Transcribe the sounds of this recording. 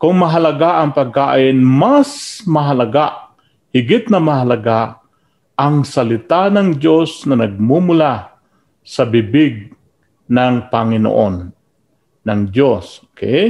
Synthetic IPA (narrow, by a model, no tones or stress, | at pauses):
kʊŋmɐɦɐlɐɡaʔɐŋpɐɡ̚ka̰ːʔɪnmasmɐɦɐlɐɡaʔ | hɪɡɪt̪̚nɐmɐɦalɐɡaʔ | ʔɐŋsɐlɪt̪anɐŋd͡ʒosnɐnɐɡ̚mumʊla | sɐbɪbɪɡ̚ | naŋpɐŋɪno̰ʔonː | ɐŋd͡ʒosokɛ̰j